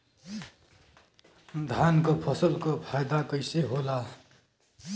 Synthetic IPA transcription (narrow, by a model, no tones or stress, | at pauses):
d̪ʱankopʰʌsʌlkopʰajd̪akʌjseɦola